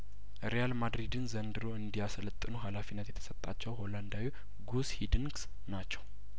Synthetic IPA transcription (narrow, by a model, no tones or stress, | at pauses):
ɾejalmad̪ɾid̪ɨnzənd̪ɨɾoɨnd̪ijaslət̪ʼːɨnuɦalafinːət̪jɛt̪ʰə̥sət̪ʼːat͡ʃːɛwɦo̞land̪awi | ɡushid̪ɨŋɡs | nat͡ʃːɛw